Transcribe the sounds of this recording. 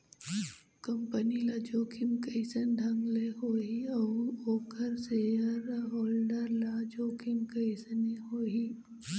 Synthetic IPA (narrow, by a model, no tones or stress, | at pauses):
kəmpənilad͡ʒoːkʰimkəɪsənɖ̪ʱɐŋɡleɦoːiɐuoːkʰəɾseːəɾɦoːlɖəɾlad͡ʒoːkʰimkəɪsəneɦoːɦiː